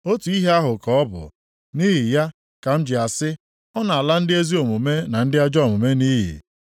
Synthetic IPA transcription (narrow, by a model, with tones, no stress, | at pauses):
o˦tu˨i˦ɦe˦a˦ɦʊ˨kɔ˨ɔ˦bʊ̰˨ | ni˦ɦi˨ja˦ | ka˨m̩˦d͡ʒɪ˨a˨sɪ˦ | ɔ˦na˨a˨la˦n̩˦dɪ˦e˦zi˦o˨mu˨me˦na˨n̩˦dɪ˦a˦d͡ʒɔ˦˨mʊ˨me˦ni˦ɦḭ˨